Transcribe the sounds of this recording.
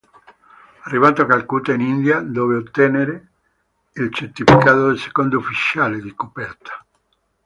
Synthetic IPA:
arːivat̪oakalkuːt̪ainind̪jad̪ɔːveot̪ːɛneɾe | ilt͡ʃeɾt̪ifikaːt̪od̪else̥kond̪oufit͡ʃaːled̪ikopɛrt̪ʰḁ

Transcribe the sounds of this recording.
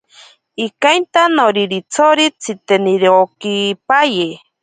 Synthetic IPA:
ikajnt̪anoɾiɾit͡sʰoɾit͡sʰit̪eniɾokipaje

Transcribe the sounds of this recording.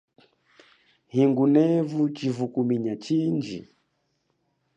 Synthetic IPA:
hiŋɡunɛvut͡ʃivukumiɲat͡ʃiɲd͡ʒḭ

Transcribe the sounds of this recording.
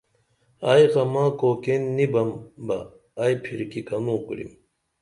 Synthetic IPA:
aːjɣɐmãːkoːkenːibɐmbɐː | jpʰiɾkikɐnũːkuɾḭm

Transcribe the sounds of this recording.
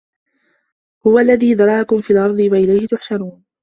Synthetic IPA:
hʊwalːaðiːd̪ɑɾˤɑːʔakʊmfiːlʔɑɾˤd̪ˤɨwaʔɪlajhɪt̪ʊħʃaɾuːn

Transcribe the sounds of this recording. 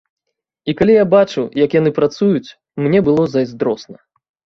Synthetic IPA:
ikalʲijabat͡ʂujɐkjanɨpɾat̪sujut͡sʲ | mnʲɛbɨlˠɔzɐjzd̪ɾɔsnɐ

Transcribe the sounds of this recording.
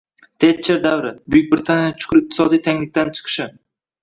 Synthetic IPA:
t̪ʰet͡ʃʰːeɾd̪avɾɪbʊjʊk̚ʲbɪɾɪt̪ʰanʲjjat͡ʃʰʊ̥kʊɾɪq̚t̪ʰɪ̥sɒd̪ijt̪ʰaŋʲlɪk̚ʲt̪ant͡ʃʰɨ̥qʰɨ̥ʃɪ

